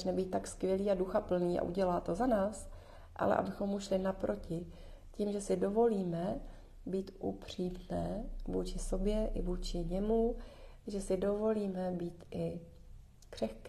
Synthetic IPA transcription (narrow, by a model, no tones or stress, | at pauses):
t͡ʃnɛbiːt̪̚ːakskvʲjɛliːaduxapl̩niːʔa̰ʔuɟɛlaːt̪o̞zanaːs | ʔa̰lɛ̰ʔa̰bɪxo̞mːuʃlɪnapɾʔo̞cɪ | ciːmʒɛsɪdo̞vo̞liːmɛ | biːt̪ʔupr̝̥iːmnɛːvuːt͡ʃɪso̞bjɛʔɪ̰vuːt͡ʃɪɲɛmu | ʒɛsɪdo̞vo̞liːmɛbiːt̪ʔɪ | kr̝̥ɛxk